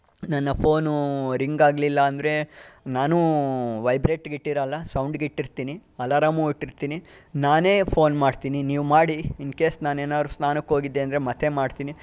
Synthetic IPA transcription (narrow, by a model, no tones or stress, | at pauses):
nɐnːɐpʰoːnuɾiŋɡaːɡlilːɐːnd̪ɾe̞naːnuʋɐjbɾeːʈɡiʈːiɾɐlːɐsɐwɳɖɡiʈːiɾt̪iːniɐlaɾɐmuːiʈːiɾt̪iːninaːne̞ːpʰo̞ːnmaːɽt̪iːniniːʋmaːɽiinkeːsnaːneːnaːd̪ɾusnaːnɐkːɦo̞ːɡid̪ːe̞ːnd̪ɾemɐt̪ʰemaːɽt̪iːni